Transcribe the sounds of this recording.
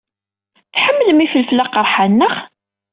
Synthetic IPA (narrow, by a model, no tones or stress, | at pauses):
θħəmːəlmifəlfəlːaqəɾˤħanːəχ